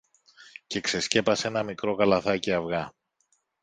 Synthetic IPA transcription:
ce̞kse̞sce̞pɐse̞nɐmikɾo̞ɣɐlɐθɐciɐvɣɐ

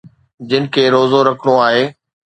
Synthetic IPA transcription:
d͡ʑɪnɪ̆kʰeːɾoːzoɾɐkʰəɽ̃oaːɦeː

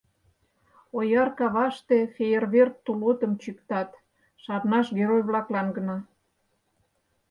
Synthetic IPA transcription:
ojɑrkɑβɑʃt̪efejerβert̪ːulot̪əmt͡ɕykt̪ɑt̪ | ʃɑrnɑʃɡeɾojβlɑklɑnɡə̆nɑ

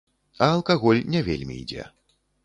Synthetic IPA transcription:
ɐɐlˠkaɣɔlʲnʲɛvʲelʲmʲḭːd͡zʲɛ̰

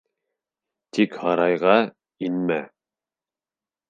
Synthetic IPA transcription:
t̪ikhɑɾɑjʁɑ | inmæ

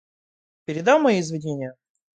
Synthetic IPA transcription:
pʲɪɾʲɪd̪amːɐjiɪzvʲɪdʲenʲɪjə

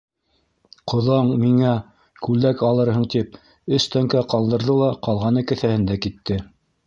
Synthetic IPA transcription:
qʰŏðɑɴmiŋæ | kʉlækɑlˠɤ̆ɾhɤɴt̪ip̚ | ɵst̪æŋkæqɑlˠd̪ɤ̆ɾðɤlˠɑqɑlˠʁɑnɤ̆kɘ̆θæhɘ̆nd̪ækit̪ːɘ

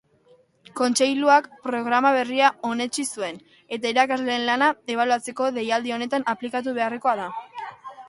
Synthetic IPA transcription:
ko̞nt͡ʃe̞jluakpɾo̞ɣ̞ɾamaβe̞riao̞ne̞t͡ʃisue̞n | e̞t̪aiɾakazle̞ːnlanae̞β̞aluat͡se̞ko̞ðe̞jald̪io̞ne̞t̪anaplikat̪̬uβe̞areko̞aða

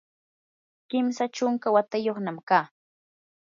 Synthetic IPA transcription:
kɪmsat͡ʃʊŋkawat̪ajoχnamkaː

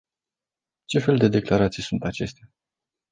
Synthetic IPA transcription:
t͡ʃe̞fe̞ld̪e̞d̪e̞klaɾat̪sijsunt̪at͡ʃe̞st̪a

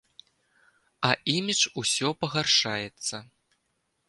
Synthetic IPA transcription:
ɐʔimʲit͡ʂusʲɔpɐɣarʂajɛt̪sːɐ

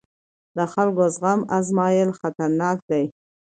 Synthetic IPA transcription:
d̪əxalɡozɣamazmɑjəlxat̪aɾnɑk̚d̪aj

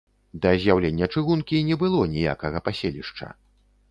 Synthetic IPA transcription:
d̪ɐzʲjawlʲenʲːɐt͡ʂɨɣunkʲinʲɛbɨlˠɔnʲija̰kɐɣɐpasʲelʲiʂt͡ʂɐ̰

